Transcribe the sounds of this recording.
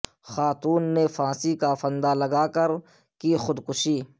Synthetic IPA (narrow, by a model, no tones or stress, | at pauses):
xaːt̪uːnːefãːsikafə̃nd̪alɐɡaːkəɾ | kixʊd̪kʊʃiː